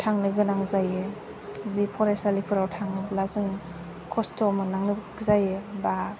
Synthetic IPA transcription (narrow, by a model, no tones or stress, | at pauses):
tʰaŋnɯɡɯnaŋzaje | zipʰɔɾesalipʰɯɾawtʰaŋɯblazɯŋe | kʰɔstʰɔmanaŋnɯ | zajeba